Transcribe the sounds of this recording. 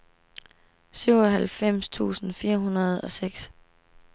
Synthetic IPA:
syʊ̰ɒɦælfem̰st͡sʰṵːsn̩fiːɐɦunɐð̞ˠɒ̽seɡ̥s

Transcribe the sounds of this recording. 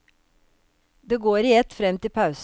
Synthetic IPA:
d̪eːɡoːɾiːɛt̪fɾɛmt̪ɪpʰɑʉs

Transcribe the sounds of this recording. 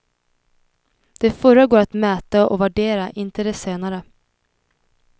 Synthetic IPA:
d̪̥ɛfœɾaɡoːɾat̪mɛːt̪aʔɔ̰væɖeːɾaʔɪnt̪əd̪ɛseːnaɾə

